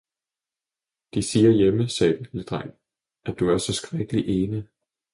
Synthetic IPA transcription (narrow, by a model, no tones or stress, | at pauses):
d̥isiːɐjeməsɛːd̥led̥ʁaŋ̰ | ʔæd̥uæɐsɒ̽sɡ̥ʁaɡ̥əliʔe̝ːnə